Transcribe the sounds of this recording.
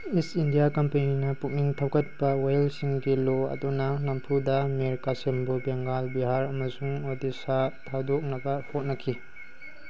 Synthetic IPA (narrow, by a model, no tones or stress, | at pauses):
isindijakɐmpeninɐpuk̚niŋtʰɐwkʰɐt̚pɐwajlsiŋɡiloɐ̰dunɐnɐmpʰudɐmeɾkasembubeŋɡalbiɦaɾɐmɐsuŋodisatʰawdok̚nɐɡɐhot̚nɐkʰi